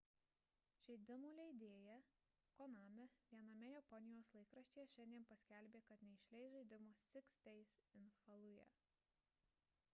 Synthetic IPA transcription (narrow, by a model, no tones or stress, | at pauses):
ʒ̥ʲɛɪd̪ʲɪmuːlʲɛɪd̪ʲeːjɛ | kɔnɑːmʲɛʋʲiɛnɐmʲɛjɛpɔnʲɪjoːslˠɐɪkɾɐʃʲt͡ʃ̪ʲeːjɛʃʲɛnʲd̪ʲiɛnpɐsʲkʲɛlʲbʲeːkɐt̪nʲɛɪʃʲlʲɛɪsʒɐɪd̪ʲɪmoːɪksʲt̪ʲɛɪsɪnfɐlˠʊjɛ̰